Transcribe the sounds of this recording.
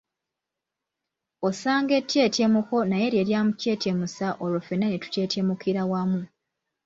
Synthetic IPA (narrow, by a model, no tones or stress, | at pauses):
osaːŋɡe̞tːe̞ːtemuko̞naje̞ɾje̞ɾjaːmuce̞ːtemusaʔolofenːanetu̥ce̞ːtemukiɾawamu